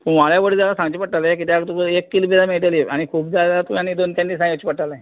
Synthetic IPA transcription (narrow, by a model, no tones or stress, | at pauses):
pumaljaʋəɽid͡zalasãŋɡt͡ɕipəʈːalaek̬it̪jakt̪ukəekːilpid̪ameɭʈaleʔaɽ̃ikʰuːbd͡zald͡zalat̪uanid̪ont̪ʲanːisãat͡ɕipəʈala